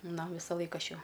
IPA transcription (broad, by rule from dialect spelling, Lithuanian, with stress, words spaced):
ˈnɐ ˈʋʲɪsɐlˠɐɪk ˈɐʃ ˈjɛʊ